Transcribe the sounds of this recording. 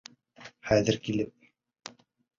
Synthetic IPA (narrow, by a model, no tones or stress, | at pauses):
χæðɘɾkilɘp̚